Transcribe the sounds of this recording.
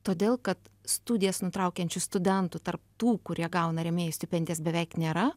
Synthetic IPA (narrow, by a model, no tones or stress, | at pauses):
t̪oːd̪ʲeːlˠkɐt̪st̪uːd̪ʲɪjɛsnʊt̪ɾɐʊkʲɛnʲt͡ʃʲʊst̪ʊd̪ʲɛnt̪ʊt̪ɐrpt̪uːkʊɾʲiɛɡɐʊnɐɾʲɛmʲeːjʊsʲt̪ʲɪpʲɛnʲd̪ʲeːsbʲɛʋʲɛɪknʲeːɾɐ